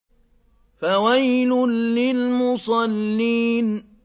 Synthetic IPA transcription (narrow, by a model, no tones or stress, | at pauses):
fawajlʊnːɪlmʊsˤɑlːiːn